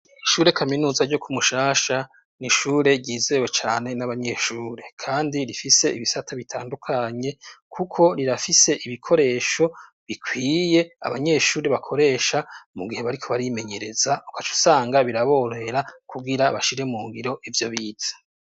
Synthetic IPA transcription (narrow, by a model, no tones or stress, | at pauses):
iʃuːɾe̞kʰaminuːzaɾɟo̞kʰumuʃaːʃa | niʃuːɾe̞ɟiːze̞we̞t͡ʃaːne̞naβaɲe̞ʃuːɾe̞kʰaːndiɾifise̞ʔiβisatʰaβitʰaːndukʰaɲe̞kʰukʰo̞ɾiɾafise̞ʔiβikʰo̞ɾe̞ːʃo̞ | βikʰwiːje̞a̰βaɲe̞ʃuːɾe̞βakʰo̞ɾe̞ːʃamuɡiheβaɾikʰo̞βaɾime̞ɲe̞ɾe̞zaukat͡ʃu̥saːŋɡaβiɾaβo̞ːɾohe̞ɾakuɡiɾaβaʃiɾemuːŋɡiɾo̞ʔivjo̞βiːtḁ